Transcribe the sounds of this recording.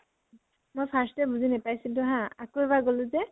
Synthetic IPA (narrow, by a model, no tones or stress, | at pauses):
mojpʰastɛbuzinɛpajsidʊ̃ɦãakoɛbaɡolʊ̃zɛ